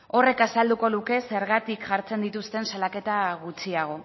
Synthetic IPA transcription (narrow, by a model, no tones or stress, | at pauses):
o̞re̞kasald̪uko̞luke̞se̞ɾɣat̪ikʝaɾt͡se̞nd̪it̪ust̪e̞nsalake̞t̪aɣut͡siaɣ̞o̞